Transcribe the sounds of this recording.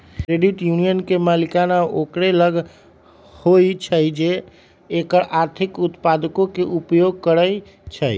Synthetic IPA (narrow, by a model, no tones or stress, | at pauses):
kɾeɖiʈjunijənkemalikanaʔokɾeləɡ | hojt͡ʃʰəjd͡ʒeː | kəɾaɾt̪ʰikut̪pad̪əkokeʔupjoɡ̚kəɾəj | t͡ʃʰəj